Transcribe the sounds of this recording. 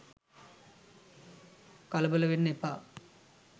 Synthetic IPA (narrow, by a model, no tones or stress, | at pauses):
kɐlɐbɐlɐʋenːepːa